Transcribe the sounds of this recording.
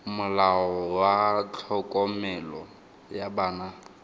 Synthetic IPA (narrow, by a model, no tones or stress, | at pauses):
mʊlaɔwat͡ɬʰɔkʼɔmɛlɔ | jabaːna